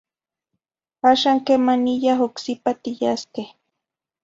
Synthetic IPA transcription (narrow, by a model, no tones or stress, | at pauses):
haʃaŋkemanijaɦoksipat̪ɪjaske